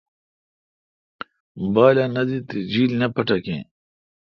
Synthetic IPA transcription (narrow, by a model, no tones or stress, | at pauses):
baːlanɐd̪it̪id͡ʑiːlnɐpɐʈɐkḛ̃ː